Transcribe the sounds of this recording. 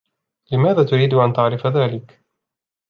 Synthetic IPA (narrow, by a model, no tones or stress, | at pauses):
lɪmaːðaːt̪ʊɾiːd̪ʊʔant̪aʕɾɪfaðaːlɪk